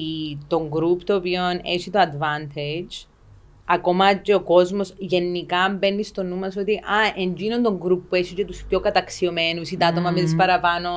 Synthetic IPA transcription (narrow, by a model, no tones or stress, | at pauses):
it̪oŋɡɾupt̪oːpioneɕit̪oɐd̪vɐnt̪ʰed͡ʒ | ɐkomɐceoko̞zmosʝe̞nːikɐmbenːist̪onːumɐsot̪iʔɐʔeɲd͡ʒinont̪oŋɡɾupːuesicet̪uspçokɐt̪ɐksiomenusit̪ɐt̪omɐmet̪ispɐɾɐpɐno